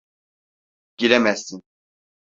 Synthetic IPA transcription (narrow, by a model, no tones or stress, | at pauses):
ɟ̥ilemæsːin